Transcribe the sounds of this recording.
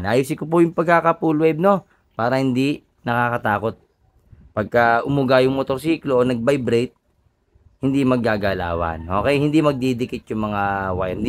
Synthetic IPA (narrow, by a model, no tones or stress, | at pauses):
nʔaːjusɪkopʊjʊŋpɐɡ̚kːakɐpulwɛb̚no̞ | paːɾɐhɪnd̪i | nɐkaːkɐt̪aːko̞t̪̚ | pɐɡ̚kɐʔʊmʊɡajʊŋmot̪oɾsiːkloʔonɐɡ̚bajbɾɛjt̪̚ | hɪnd̪imɐɡːaːɡala̰ːwɐ̰nʔo̞̰ːkɛjhɪnd̪imɐɡ̚d̪id̪ɪkɪt̪̚jʊŋmɐŋawaj̪